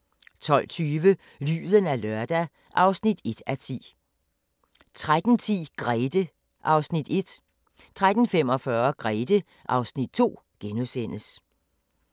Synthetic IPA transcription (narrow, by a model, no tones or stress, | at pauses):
t͡sʰɒ̽l̰t͡sʰyːʋə | ly̰ːðˠənælɶɐd̥æ | ʔɑ̈ʊsnid̥e̝d̥æt͡sʰḭː | t͡sʰʁad̥n̩t͡sʰḭːɡ̥ʁɛːd̥ə | ʔɑ̈ʊsnid̥e̝d̥ | t͡sʰʁad̥n̩fem̰ɒ̽fɶːɐɡ̥ʁɛːd̥ə | ʔɑ̈ʊsnid̥̚t͡sʰo̝̰ː | ɡ̥enusen̰əs